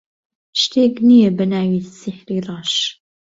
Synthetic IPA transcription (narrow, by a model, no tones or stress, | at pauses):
ʃtʰeːɡnijɛbɐnaːwiːssiħriːrɑːʃ